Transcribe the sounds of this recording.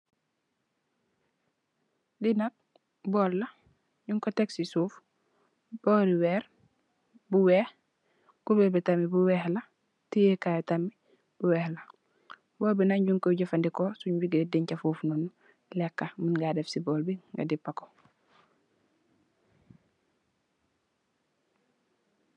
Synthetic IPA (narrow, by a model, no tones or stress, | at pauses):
dinat̚ | bɔlːa | ɟuŋkoteksisuːf | b̥oɾiwɛɾ | buweh | kubebitamibuwɛːhla | tijekajɛtami | b̥uwɛːhla | boːbinaɲɟuŋkoɟɐfandikosuɲwiɡdidiɲcafuːfnunu | lɛkːaminɡadefsibɔːlbiŋɡa̰dipːako̥